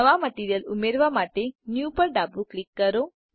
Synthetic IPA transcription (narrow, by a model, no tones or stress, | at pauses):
əʋaməʈiɾjəlumeɾʋamaʈenjupəɾɖabuklikːəɾo